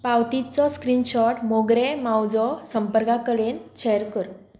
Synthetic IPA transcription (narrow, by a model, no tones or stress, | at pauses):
pawt̪it͡sɔskɾinɕɔʈmoɡɾɛmawd͡zɔsəmpəɾkakəɾenɕejəɾkəɾ